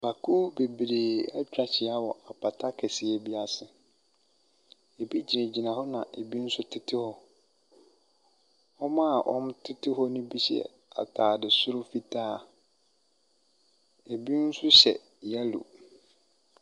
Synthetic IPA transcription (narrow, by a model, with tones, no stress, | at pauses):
ba˨kʰuː˦be˨bɾeː˨a˦t͡ɕᶣɾa˨t͡ɕʰɪ˨a˦wɔ˨a˨pʰa˨tʰa˦kʰɛ˨sɪ˨ɛ˨bi˦a˨sɪ˨ | e˨bi˦d͡ʑi˨næ̃˨d͡ʑi˨nã˨hɔ˦nã˨ʔe˨bi˦n̩˦sʊ˦tʰɪ˦tʰɪ˦hɔ˦ | ɔ˦mã˦˨ʔɔ̰̃˦m˦tʰɪ˦tʰɪ˦ɦɔ˦nʊ̃˦bi˦ɕɛ̰˦ | a̰˨tʰaː˨dɪ˨sʊ˦ɾʊ˦fi˦tʰaː˦˨ | e˨bi˦n̩˦sʊ˦ɕɛ̰˨ | jɛ˦lṵ˨